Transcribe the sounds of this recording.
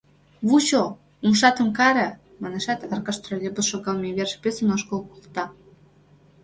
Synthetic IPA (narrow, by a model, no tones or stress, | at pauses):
βut͡ɕo | umʃɑt̪ə̆mkɑɾĕ | mɑneʃɑt̪ɑrkɑʃt̪ɾolʲebəʃoɡɑlˠmʲeβʲerʃpʲesə̆noʃkolˠkulˠt̪ɑ